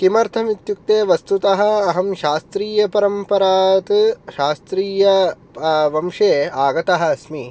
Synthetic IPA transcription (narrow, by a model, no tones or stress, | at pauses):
kimɐɾt̪ʰɐmit̪juk̚t̪eːʋɐst̪ut̪ɐɦɐ̆ːɦɐmʃaːst̪ɾiːjɐpɐɾɐmpɐɾaːt̪ʃaːst̪ɾiːjɐ | ʋɐmʂeːaːɡɐt̪ɐɦɐ̆ɐsmiː